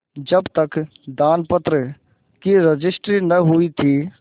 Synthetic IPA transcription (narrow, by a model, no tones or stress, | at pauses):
d͡ʒɐbt̪ək | d̪aːnpət̪ɾə | kiɾəd͡ʒɪsʈɾinɐɦuit̪ʰi